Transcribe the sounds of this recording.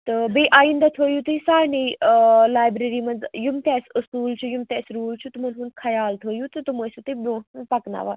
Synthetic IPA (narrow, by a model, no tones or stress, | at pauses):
t̪ɨbiːʔaːĩnd̪at̪ʰoːjut̪ɨsaːjnelaːjbɾeɾiːmɐnd͡zjumt̪ɛːsɨskuːlt͡ʃʰujumt̪eːsɾuːlt͡ʃʰut̪ɨmɐnɦund̪kʰɐjaːlt̪ʰoːjut̪ɨt̪uməsut̪ibõːpɐkna̰ʋa̰ː